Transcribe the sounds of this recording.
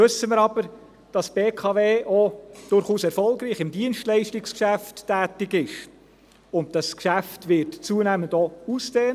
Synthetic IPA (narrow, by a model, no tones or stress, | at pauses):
ɵsːəmɪɾɑb̥əɾ | d̥ɑsb̥eːkʰɑveːʔod̥ʊɾχuːsɛɾfɔlɡɾiːχɪmdiənʃtlɛɪʃtɪkskʃæfttːæːtɪɡɪʃ | ʊnt̚d̥ɑskʃæftʋɪtt͡suənæːməndouskeː